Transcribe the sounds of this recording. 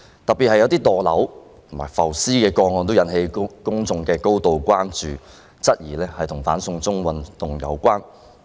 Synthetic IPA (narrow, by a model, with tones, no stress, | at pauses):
t̪ɐ˨pi˨t̚hɐ˨jɐ˧wt̪iː˥t̪ɔː˨˩lɐ̰˨˥w | t̪ʰʊ˨˩maː˨˩jfɐ˨˩wsiː˥kɛː˧kɔː˧ŋːɔː˨˧nt̪̬wjɐ˨˥nhe˧jkʊ˥ŋt͡sʊ˨˧ŋkɛː˧ko˥wt̪o˨wkʷaː˥nt͡ʃyː˨ | t͡sɐ˥t̚jiː˨˩lɛː˥hɐ˨jt̪ʰʊ˨˩ŋfaː˨˥nsʊ˧ŋt͡sʊ˥ŋwɐ˨nt̪ʊ˨ŋjɐ̰˨˧wkʷaː˥n